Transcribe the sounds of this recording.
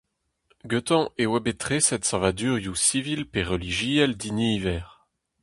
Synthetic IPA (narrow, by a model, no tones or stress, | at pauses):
ɡøt̪ɑ̃ʔewabet̪χesɛt̪sɛ̃vad̪yʁjusivilpeʁəliʒiɛld̪iniːvɛːʁ